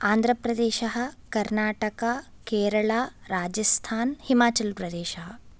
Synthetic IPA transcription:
aːnd̪ʱɾɐpɾɐd̪eːʃɐɦɐ̆kɐɾnaːʈɐka | keːɾɐɭaːɾaːd͡ʒɐst̪ʰaːnhimaːt͡ʃɐlpɾɐd̪eːʃɐɦɐ

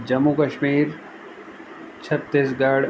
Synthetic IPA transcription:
d͡ʑɐmːukɐʃmiːɾ | t͡ɕʰɐt̪ːɪsɡaːɽ

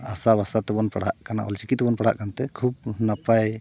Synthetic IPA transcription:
asabasat̪ɛbɔnpaɽ̤aʔʔkana̰ʔɔ̰lt͡ʃikit̪ːɛbɔnpaɽ̤a̰ʔkanat̪ɛkʰub̚napaj

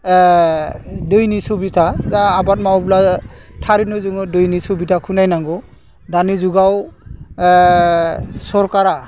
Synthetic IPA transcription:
dɯjnisubitʰazaːbat̚mawblatʰaɾinɯzɯŋɯdɯjnisubitʰakʰunajnaŋɡɔ | danizuɡaw | sɔɾkaɾa

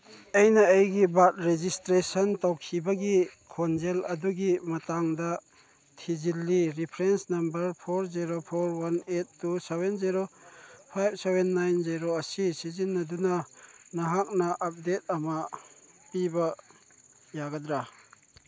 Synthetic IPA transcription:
ɐjnɐejɡibat̚ɾed͡ʒistɾesɐntawkʰibɐɡikʰond͡ʒelɐduɡimɐtaŋdɐ | tʰizilːiɾipʰɾensnɐmbɐɾpʰoɾziɾopʰoɾwanetːusebenziɾopʰajb̚ʰsebenːajnziɾoɐsisizinːɐdunɐnɐɦak̚nɐʔɐp̚det̚ɐmɐ | pibɐ | jaɡɐdɾa

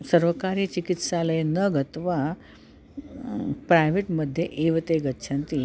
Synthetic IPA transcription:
səɾʋəkaɾit͡ɕikit̪saləjenəɡʱət̪ʋa | pɾajʋeʈməd̪ʱːjeʔeʋət̪eɡət̪ːɕʰãnt̪i

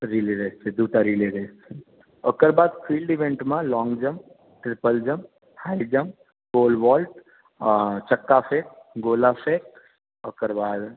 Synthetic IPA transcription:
ɾiliɾest͡ʃed̪uːʈaɾiːliɾeːst͡ʃʰe | əkəɾbaːd̪fʰiːlɖɪʋẽɳʈmãlɔ̃ːŋɡd͡ʒəm | ʈɾɪpəld͡ʒəm | haːid͡ʒəm | koːlʋɔːlʈ | t͡ʃəkːapʰeːk̚ɡoːlapʰeːk̚ | əkəɾbaːd̪

